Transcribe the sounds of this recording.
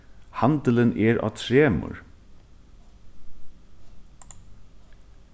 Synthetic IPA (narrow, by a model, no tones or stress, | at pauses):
hand̪ələnɛɾa̰ːt̪ʰɾeːmʊ̰ɹ